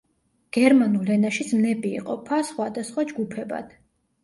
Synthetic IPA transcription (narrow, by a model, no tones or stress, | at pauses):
ɡ̥ɛɾmanulɛnaʃid̪smnɛbḭːqʼɔ̰pʰasχwad̪asχwad͡ʒɡupʰɛba̰d̪̥